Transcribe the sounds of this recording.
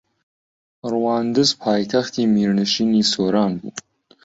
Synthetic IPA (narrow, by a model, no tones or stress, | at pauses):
rwaːnd̪ɨzpʰɑːjt̪ʰɐxt̪ʰiːmiːɾnɨʃiːniːsoːɾɑːnbṵː